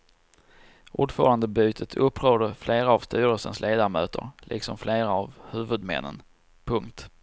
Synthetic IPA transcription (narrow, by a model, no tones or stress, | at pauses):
ʔuːɖfœːɾand̪əbyːt̪ʰət̪ʰɵpːɾoːd̪əɾfleːɾaːvst̪yːɾəlsənslʔeːd̪amø̰ːt̪ʰə̰ɾlʔɪ̰ksɔmfleːɾaavhʉ̟ːvɵd̪mɛ̰nːə̰n | pʰɵŋkt̪